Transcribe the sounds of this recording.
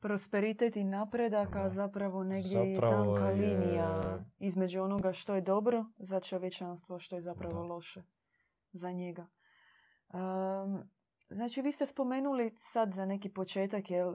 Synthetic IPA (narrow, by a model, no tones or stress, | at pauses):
pɾo̞spe̞ɾit̪et̪inaːpɾe̞d̪akazapɾaʋo̞ne̞ɡd̪jejet̪aŋkaliːnijaizme̞d͡ʒuo̞no̞ɡaʃt̪o̞je̞d̪o̞bɾo̞zat͡ʃo̞ʋjet͡ʃanst̪ʋoʃt̪o̞jezapɾaʋo̞lˠo̞ʃe̞ | zaɲeɡa | ə | znaːt͡ʃiʋiːst̪e̞spo̞me̞ːnulisad̪zane̞kipo̞t͡ʃe̞ːt̪akjel